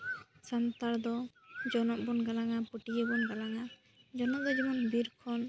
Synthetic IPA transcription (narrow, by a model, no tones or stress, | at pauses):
sant̪aɾd̪ɔ | d͡ʒɔnɔʔ̚bɔnɡalaŋapuʈijebɔnɡalaŋa | d͡ʒɔnɔʔ̚d̪ɔd͡ʒimɔnbiɾkʰɔn